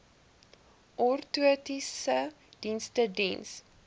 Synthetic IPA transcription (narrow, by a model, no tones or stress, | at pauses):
ʔɔrtuətisə | d̥instədɛns